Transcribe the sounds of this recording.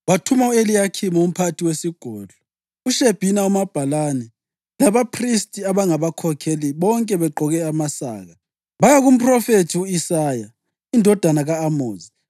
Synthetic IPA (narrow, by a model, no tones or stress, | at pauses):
βatʰumaelijakʰimaum̩pʰatʰiwesiɡ̥ʱɔːɮɔ | uʃeb̥ʱinaumab̥ʱalanɛ | laβapʰristʼiaβaŋaβakʰɔkʰeliβɔŋkʼɛβɛǃʱɔɣɛamasa̰ːɣa | βajaɣum̩pʰʼrɔfetʰiuisaːja | indʱɔd̥ʱanaɣaːmoːzi